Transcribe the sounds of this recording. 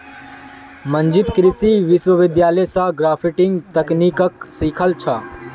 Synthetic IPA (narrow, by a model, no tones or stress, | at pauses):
mə̃ɲd͡ʒɪt̪kɾɪsiʋɪʃwəʋɪd̪jaːləjsãɡɾaːpʰiʈɪ̃ŋɡt̪ɐkniːkəksiːkʰəlt͡ʃʰa